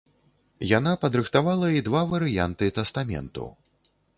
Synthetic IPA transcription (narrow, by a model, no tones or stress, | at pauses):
janapɐd̪ɾɨxt̪avalˠɐid̪vavɐɾɨja̰nt̪ɨt̪ɛst̪amʲɛ̰nt̪ṵ